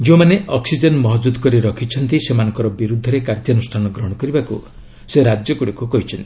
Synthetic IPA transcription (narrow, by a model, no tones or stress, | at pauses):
d͡ʒẽmaneʔɔksid͡ʒɔnmɔɦɔd͡ʒud̪kɔɾiɾɔkʰit͡ʃʰɔnt̪isemanɔŋkɔɾɔbiɾud̪ʱːɔɾekaɾt̪jɔnusʈʰanɔɡɾɔɦɽ̃ɔkɔɾibakṵ | seɾad͡ʒjɔkuɽikukɔɦit͡ʃʰɔnt̪i